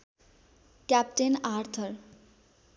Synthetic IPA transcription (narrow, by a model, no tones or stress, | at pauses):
kjap̚ʈenaɾt̪ʰʌr